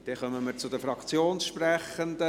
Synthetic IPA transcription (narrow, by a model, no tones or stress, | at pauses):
d̪̥ɛχœməməɾt͡sʊd̥̪əfɾɑkt͡sjoːnsʃpræχənd̪ə